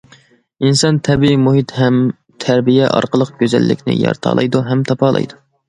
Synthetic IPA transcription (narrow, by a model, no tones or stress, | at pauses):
insɑnt̪ʰɛbiimuɦit̪hɛm | t̪ʰæɾbijɛʔɑ̰ɾqəlˠəqɡʲøzɛ̰lːɪkʲnɪ̰jɑ̰ɾt̪ʰɑ̰ːlˠɑ̰jd̪uɦɛmt̪ʰɑpɑːlˠɑ̰jd̪u